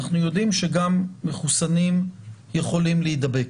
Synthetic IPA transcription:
aχnujo̞d̪imʃe̞ɡamːeχusanimje̞χo̞limleid̪abek

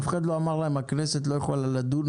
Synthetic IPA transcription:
fχad̪loamaʁlaemakneset̪̬lojaχualalad̪un

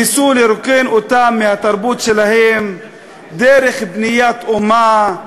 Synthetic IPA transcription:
isuleɾokenot̪amːehat̪aɾbut̪ʃelahem | d̪eɾe̞χbnijat̪oma

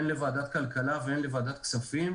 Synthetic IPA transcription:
nlevaːd̪at̪kalkalaveenlevaːd̪at̪̚ksafim

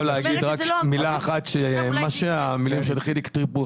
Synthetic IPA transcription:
leaɡid̪ʁakmilaːχat̪ʃemaʃeamilimʃelχilikt̪ʁipu

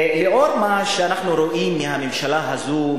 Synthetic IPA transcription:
leʔoɾmaʃeanaχnuɾoʔimːiɦamemʃalaɦazu

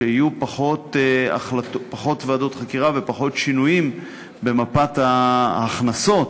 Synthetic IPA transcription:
ehijupaχo̞t̪a̰χlatpaχo̞t̪veado̞t̪χakiʁave̞paχo̞tʃinujim | be̞mapat̪aːχnaso̞t

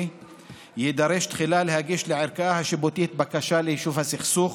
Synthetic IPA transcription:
jid̪aɾeʃt̪χilalehaɡiʃleʕeɾkaahaʃebot̪iet̪̚bakaʃalehiʃuvhasiχsuχ

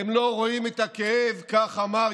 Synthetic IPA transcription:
emlo̞ʁo̞imet̪akeevkaχama

